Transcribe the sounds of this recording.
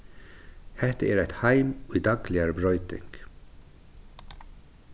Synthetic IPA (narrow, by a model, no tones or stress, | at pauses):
hɛt̪əeːɾæt̪hæɪmid̪ɑɡlɪəɾəbɾœʏt̪ɪ̰ŋɡ̥